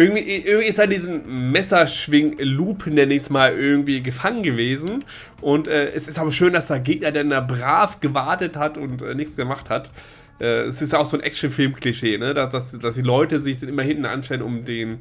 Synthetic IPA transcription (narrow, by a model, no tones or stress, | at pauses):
ʔɪɐɡŋ̩tv̥iːʔɪɐɡŋ̩v̥iːɪstd̥andiːzn̩mɛsɐʃv̥ɪŋluːpʰən̩deːɐnɛːçstəmaːlʔɪɐɡŋ̩tv̥iːɡəfaŋənɡəveːzn̩ | ʔʊntʔɛːʔɛsɪstaːbɐʃøːndasd̥eːɐɡeːɡ̚nɐdɛndaːbʁaːfɡ̥əvaɐtəthatʊntʔɛ̰ːnɪçt͡sɡ̥əmaχthat | ʔɛːɛ̰sɪstjaʊxz̥oːnʔɛ̰k̚t͡ʃn̩fɪlmkʰliʃeːnədad̥asd̥asd̥iːlɔʏtəzɪçd̥anɪmɐhɪntn̩ʔa̰nʃtɛlənʊmdeːn